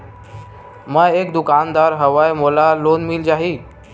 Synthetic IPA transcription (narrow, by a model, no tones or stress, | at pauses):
mə̃ekd̪ʊkaːnd̪aːɾɦəʋajmolaloːnmild͡ʒaːɦiː